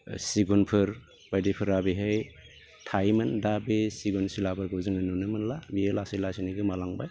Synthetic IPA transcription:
siɡunpʰɯɾ | bajdipʰɯɾabiɦɯj | tʰajmɯndabesiɡunsilabɯɾɡɔzɯŋɯnunɯmɯnlamielasilasiniɡɯmalaŋba̰j

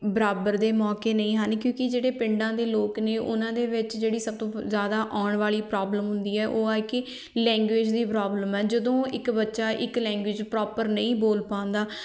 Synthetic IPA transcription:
bəɾaːbəɾd̪eːmɔːkeːnəĩːɦãnkjõːkɪd͡ʒeːɽeːpɪɳɖãːd̪eːloːkneːʔʊ̰nãːd̪eːʋɪt͡ʃd͡ʒeːɽiːsəb̚t̪õːzjaːd̪aːʔaːɳʋaːliːpɾaːbləmɦʊnd̪iːɛːʔoːɛːkɪ | lɛ̃ːŋɡʋeːd͡ʒd̪iːpɾaːbləmɛːd͡ʒəd̪õːɪkbətːʃaːʔɪklɛ̃ːŋɡʋɪːd͡ʒpɾɔːpəɾnəĩːboːlpãːnd̪aː

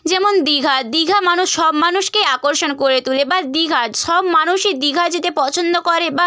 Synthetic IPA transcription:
d͡ʑɛmond̪iɡʱad̪iɡʱamanuʃʃɔbmanuʃkeakoɾʃonkoɾet̪ulebad̪iɡʱaʃɔbmanuʃed̪iɡʱad͡ʑit̪epɔt͡ɕʰond̪okɔɾeba

